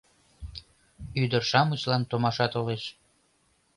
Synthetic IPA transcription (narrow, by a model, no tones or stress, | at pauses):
yd̪ərʃɑmət͡ɕlɑnt̪omɑʃɑt̪oleʃ